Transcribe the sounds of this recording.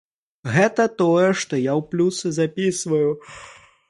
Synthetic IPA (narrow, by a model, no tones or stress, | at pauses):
ɣɛt̪ɐt̪ɔjɛʂt̪ɔjawplʲusɨzapʲisvɐju